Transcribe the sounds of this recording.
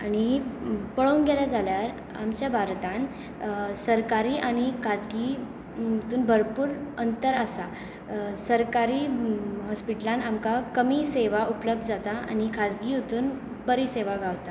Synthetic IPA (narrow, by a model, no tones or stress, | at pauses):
aɽ̃ipəɭounɡeljad͡zaljaɾ | a̰mt͡ɕjabʱaɾt̪ãn | səɾkaɾiːʔaɽ̃ikʰad͡zɡi | ut̪uːnbʱəɾpuːɾənt̪əɾəsa | səɾkaɾiːɦɔspiʈlãnamkakəmiːseʋaupləb̚d̪ʱd͡zat̪aa̰nikʰad͡zɡiːut̪uːn | bəɾiseʋaɡaʋt̪a